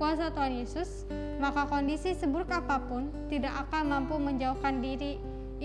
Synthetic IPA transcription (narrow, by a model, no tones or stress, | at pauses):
uas̬at̪uɦanjesʊs | makakɔndisisəbʊɾʊkapapʊnt̪idakʔakanmampuməɲd͡ʒauhkandiɾi